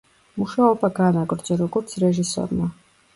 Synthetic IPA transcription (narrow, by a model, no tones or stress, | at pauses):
muʃaɔbaɡanaɡʼɾd͡ʒɛɾɔɡɔɾt̪sʰɾɛʒisɔ̰ɾma